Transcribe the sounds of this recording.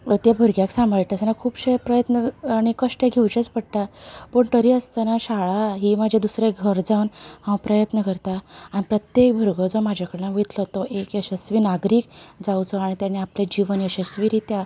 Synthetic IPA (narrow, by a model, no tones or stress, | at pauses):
t̪jabʱəɾɡjaksãmbəɭʈ̪asənakʰuːbɕepɾəjət̪nəaɽ̃ikəʂʈjeɡʱewt͡ɕət͡spəɽ̚ʈ̪apəɳʈ̪əɾiəst̪ənaɕaɭaɦiːmad͡ʑʱed̪usɾeɡʱəɾd͡zawnhãw̃pɾəjət̪nəkəɾt̪aanipɾət̪jek̚bʱəɾɡəd͡zɔmad͡ʑʱjakəɽenaʋit̪ləɦt̪oʔekjəɕəsʋiːnaɡɾiːkd͡zawt͡sɔaɽ̃it̪janːeapled͡ʑiʋənjəɕəsʋiɾit̪ja